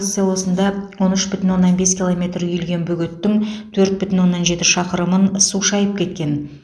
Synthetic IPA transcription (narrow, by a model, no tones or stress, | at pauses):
sɨjalˠo̞sənd̪ɑwo̞nʏʃbʏt̪ɪnwo̞nːɑnbe̞skʲilˠo̞me̞t̪ɾʏjʏlɡʲe̞nbʏɡʲɪt̪ːɪŋt̪ʰɵɾt̪̚bʏt̪ɪnwo̞nːɑnʒe̞t̪ɪʃɑqəɾəmənsuʃɑjəp̚kʲʰe̞t̪̚kʲe̞n